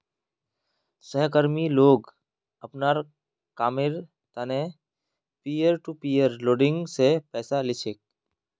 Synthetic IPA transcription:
səɦkəɾmiloːɡ | ɐpnaːɾ | kaːmɪɾ | t̪ane | piːjəɾʈupiːjəɾloːɖɪ̃ŋɡsepɛːsalɪt͡ʃʰek̚

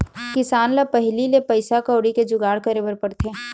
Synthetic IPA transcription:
kɪsaːnlapəɦlilepəɪsakəːɽiked͡ʒʊɡaːɽkəɾebəɾpəɽt̪ʰeː

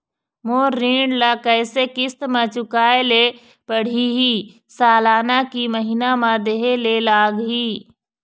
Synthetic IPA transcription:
moːɾːiːɳɖlakɛːsekɪst̪mẽt͡ʃʊkaːele | pəɽ̤iɦiː | saːlaːnakiməɦinamãd̪eɦelelaːɡɦiː

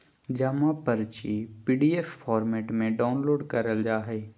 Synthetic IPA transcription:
d͡ʒɐmapəɾt͡ʃipiːɖiːeːffaːɾmeːʈmẽɖaːʊnloːɖkɐɾəld͡ʒaːɦeː

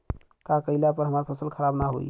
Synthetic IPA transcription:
kakəilapəɾɦəmaɾpʰəsəlkʰəɾabnaɦo̰j

